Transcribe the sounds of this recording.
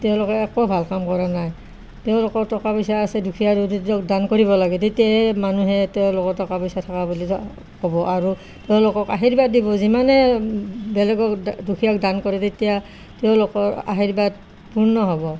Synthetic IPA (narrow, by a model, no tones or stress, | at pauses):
tɛʊ̃lʊkɛɛkobʱalkamkɔɹanaj | tɛʊ̃lokɔɹtɔkapɔjsaːsɛdukʰijadditɔkdankoɹibɔlaɡɛtetijaɛmanuɦɛtɛʊ̃lʊkɔɹtɔkapɔjsatʰakabuli | kɔbɔʔaɹu | tɛʊ̃lʊkɔkaɦiɹibat̚dibɔzimanɛ | bɛlɛɡɔkdukʰijakdankɔɹɛtetija | tɛʊ̃lʊkɔɹa̰ɦiɹibat̚ | puɹnɔɦɔbɔ